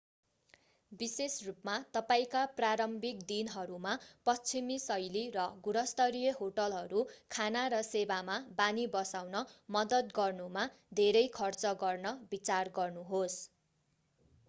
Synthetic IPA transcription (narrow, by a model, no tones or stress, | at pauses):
bisesrupmat̪ʌpaĩkapraɾʌmbikd̪inɦʌɾumapʌst͡sʰimisʌjliɾʌɡuɽʌst̪ʌɾijʌɦoʈʌlɦʌɾukʰanaɾʌsebamabanibʌsawnʌmʌd̪ʌt̪ɡʌrnuma | d̪ʱeɾʌjkʰʌrt͡sʌɡʌrnʌbit͡sarɡʌrnuɦos